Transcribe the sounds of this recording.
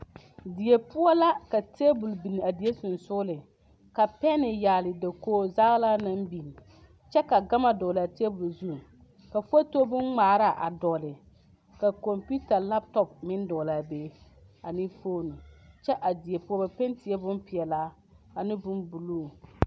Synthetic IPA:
di˨je˨pʊ˦ɔ˦la˦ka˨tʰe˦bʊ˨lbi˨ni˨a˨di˨e˦sʊ˨nsʊ˦lɪ˨ | ka˨pɛ˦nɪ˨jaː˨lɪ˨da˨koː˦za˦ɣla˦na˦mbi˨n˨ | t͡ʃɛ˦ka˨ɡa˦ma˨dɔː˨la˨te˦bʊ˨lzu˦˨ | ka˨fo˦to˦bʊ˦nŋ͡maː˨ɾa˦ʔa̰˨dɔ˨lɪ˨ | ka˨kɔ˨mpu˦ta˨la˦p̚tɔ˦pmɪ˦ndɔ˨la˨beː˦ | a˨ni˦foː˦nu˨t͡ʃɛ˦ʔa˨di˨e˨pu˦ɔ˦ba˨pe˦n˦ti˨ɛ˦bʊ˦mpɪ˨ɛ˨laː˦ | a˨nɪ˦bʊ˦mbu˨luː˦˨

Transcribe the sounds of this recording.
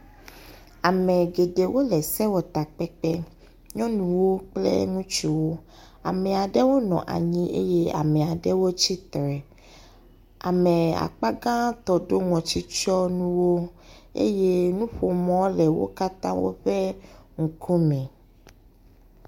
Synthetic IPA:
a˨mɛ̃˨ɡe˨ɖe˨wo˦lɛ˨sɛ˦wo˨t̪a˨k͡pɛ˦k͡pɛ˦ | ɲɔ̃˦nũ˨wo˦k͡plɛ̰˦ŋũ˦t͡ʃi˦wo˦ | a̰˨mɛ˨a˨ɖɛ˦wo˦nɔ̰̃˨ʔa̰˨ɲĩ˦ʔḛ˦je˦a̰˨mɛ̃˨a˨ɖɛ˦wo˦t͡ɕi˦t̪ɾɛ˨ | a̰˨mɛ˨a̰˨k͡pa˦ɡã˦t̪ɔ˨ɖo˦ŋɔ̃˨t͡ɕi˦t͡ʃɔ˦nũ˦wo˦ | ḛ˦je˦nũ˦ɸo˨mɔ̃˦lɛ˨wo̰˦ka˦t̪ã̰˦wo̰˦ɸɛ˦ŋ̩˨kʰu˦mɛ̃˨

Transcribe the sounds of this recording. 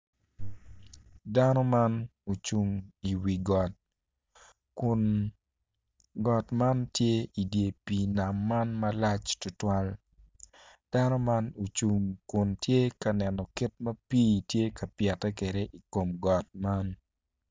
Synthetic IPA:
danɔ˦ma˦no˨t͡ʃu˨ŋi˨wi˨ɡɔ˨t̚ | kʊn | ɡɔ˨tma˦ntje˦i˨dje˨pi˨na˨mːa˦nmɐla˦t͡ʃtʊ˨twa˦l | d̥a˦nɔ˦ma˦no˨t͡ʃu˨ŋkʊ˨ntje˦ka˨nɛ˨nɔ˨ki˦t̚mɐ˦piː˦tje˦ka˨pjɛ˨tɛ˦ke˨de˦ʔi˨ko˨mɡɔ˨t̚ma˦n

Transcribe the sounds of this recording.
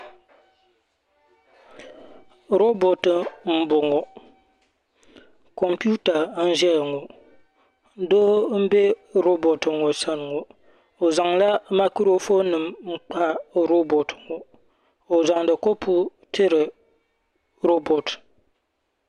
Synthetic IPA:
ɾo˦bo˨tɨ˨m̩˦bʊ˨ŋɔ˨ | ko˨mpi˦u˦ta˨n̩˦ʒɛ˦lŋo˨˦ | doː˦m̩˦be˦ɾo˦bo˨tɨ˨ŋo˨sa˦n˨ŋo˨ | o˨za˨ŋla˦ma˦ku˦ɾo˦fo˦nɨ˨mŋ͡m̩˦k͡pa˦˨ɾo˦bo˨tʰɨ̥˨ŋo˨ | o˨za˨ŋdɨ˨ko˦pʰʊ˦tɪ˦ɾɨ˨ | ɾo˦bo˨t

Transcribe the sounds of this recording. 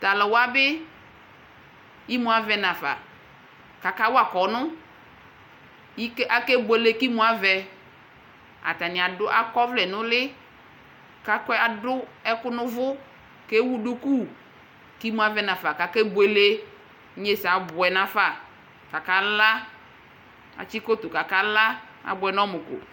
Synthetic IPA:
ta˨lɔ˨wa˦bɪ˦ | i˦mũ˦a˨vɛ˨nã˨fa̰˨ | ka˨ka˦wa˨kɔ˨nʊ̃˦ | i˦kʔa˨ke˦bwe˨le˦ki˦mũ˦a˨vɛ˨ | a̰˨ta˨nɪ̃˨a˨dʊ˦ʔa˦kɔ˦vlɛ˨nʊ̃˦lɪ˦ | ka˦kɛ˦a˨dʊ˦ɛ˦kʊ˦nʊ̃˦vʊ˦ | ke˦wu˦ɖu˦ku˦ | ki˦mũ˦a˨vɛ˨˦nã˨fa˨ka˨kɛ˦be˨le˦ | ɲe˦sa˨bʊ˨ɛ˨nã˨fa˨ | ka˨ka˦la˦ | a̰˨t͡ʃi˦ko˦t̪ʊ˨ka˨ka˦la˦ | a̰˨bʊ˨ɛ˨nɔ̃˦mʊ˨kʊ̰˨

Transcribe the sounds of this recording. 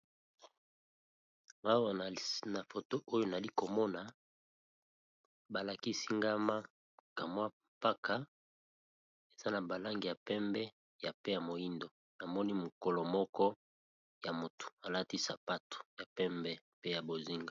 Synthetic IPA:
a˦wa˨na˨fo˨to˦ʔo˦jo˦na˨li˦ko˨mɔ˦na˨ | ba˨la˨ki˦si˦ŋɡa˦ma˦ | ka˨mwa˦mpa˦ka˦ | e˨z̥a˦na˨ba˨la˦ŋɡi˨ja˨pɛ˦mbɛ˦ | ja˨pe˦ja˨mo˨ji˦ndo˨ | na˨mɔ˦ni˦mo˨ko˨lo˨mɔ˦kɔ˦ | ja˨mo˨tu̥˨a˨la˦ti˦sa˨pa˦to̥˨ja˨pɛ˦mbɛ˦ | pe˦ja˨bo˨zi˦ŋɡa˨

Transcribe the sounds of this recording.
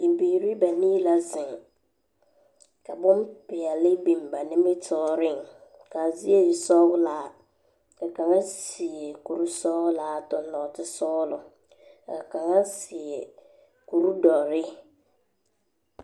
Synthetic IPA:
i˨biː˨ɾi˦ba˨nĩː˦la˦zɪ˨ŋ | ka˨bʊ̃˦m˦pɪ˨a˨lɪ˦bi˨mba˨nɪ̃˦mɪ˦tʰɔː˦ɾɪ˦˨ŋ | ka˨zi˦e˦ɪ˨sɔː˦ɣʊ˦laː˨˦˨ | a˨ka˨ŋa˦sɪ˨e˨ku˨ɾu˦sɔː˦ʊ˦laː˨˦˨tɔ˨n˦lɔ˨tɪ˦sɔː˦lʊ˨ | a˨ka˨ŋa˦sɪ˨ɛ˨ | ku˨ɾu˦dɔ˨ɾɪ˦

